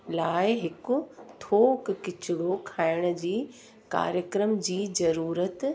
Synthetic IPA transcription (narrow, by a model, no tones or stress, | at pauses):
laːɪɦɪkʊ̆t̪ʰoːkkɪt͡ɕʰʊɽokʰaːɪɽ̃ʊ̆d͡ʑiː | ka̰ːɾjəkɾəmd͡ʑiːzɐɾuːɾət̪